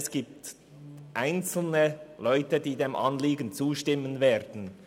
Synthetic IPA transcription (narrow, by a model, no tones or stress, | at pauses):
sɡ̥iːp̚t | ʔaɪnt͡sl̩nəlɔʏtədiːdeːmʔɑnliːɡən̩t͡suːʃtɪmːənveːɾdn̩